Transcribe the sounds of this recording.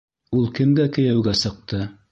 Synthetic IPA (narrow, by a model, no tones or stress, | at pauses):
ulˠkɘ̆mɡækɘ̆jæwɡæsɤ̆q̚t̪ɤ